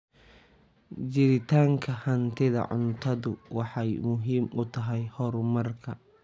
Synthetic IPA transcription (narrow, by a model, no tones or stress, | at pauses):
t͡ʃɪɾɪt̪ʰaːŋkʰɐhɐnt̪ʰɪðɐ̰ʕʊ̰nt̪ʰɐðʊwɑħɑjmʊɦiːmʊt̪ʰɐɦɛjhɔɾmɐrkʰɐ